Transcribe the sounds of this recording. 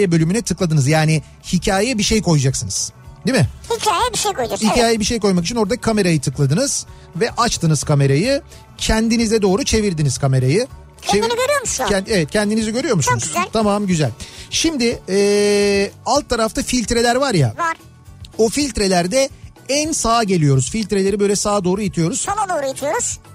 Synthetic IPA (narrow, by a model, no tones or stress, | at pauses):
ɛbø̞lʲymynɛt̪ʰɯklˠad̪ɯnɯzjaːnɪ | hicʰaːjɛbiʃe̞jkʰo̞jd͡ʒaksɯnɯz̥d̪imɪhicʰaːjɛbiʃejkojd̪hicʰaːjɛbiʃe̞jko̞jmak̬it͡ʃʰino̞ɾd̪akʰame̞ɾajɯt̪ʰɯklˠad̪ɯnɯz̥ | vɛʔat͡ʃt̪ɯnɯz̥kʰame̞ɾajɯ | cʰɛnd̪inizɛd̪o̞ːɾut͡ʃʰe̞viɾd̪iniz̥kʰame̞ɾajɯ | eiɟøɾyjomuʃɛevɛt̪̚cʰɛnd̪iniziɟø̞ɾyjo̞ɾmusunuzʲt̪ʰamamɟyzælʲʃimd̪ɪɛː | alˠt̪ʰːaɾaft̪ʰafilʲt̪ɾe̞lʲæɾvaɾja̰vaɾ | ofilʲt̪ɾe̞lʲæɾd̪ɛ | ænsaːɟe̞lʲijo̞ɾuzfilʲt̪ɾe̞lʲe̞ɾibø̞jlʲɛsaːd̪o̞ːɾujit̪ʰijo̞ɾuz̥onad̪oːɾujat̪ʰijoɾuz̥